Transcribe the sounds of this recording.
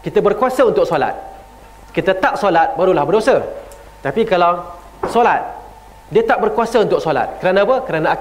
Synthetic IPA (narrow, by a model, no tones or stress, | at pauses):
kit̪abərkuasaunt̪ʊk̚sola̰t̪̚ | kit̪at̪aʔ̚solat̪̚baɾulahbərdosə | t̪apikalaw | solat̪̚ | diət̪aʔ̚bərkuasaunt̪ʊk̚sola̰t̪̚kəɾanãpəkəɾanãː